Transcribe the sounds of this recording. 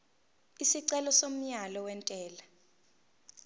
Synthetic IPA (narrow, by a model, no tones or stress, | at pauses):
isiǀɛlɔsom̩ɲalɔwɛntʼɛːla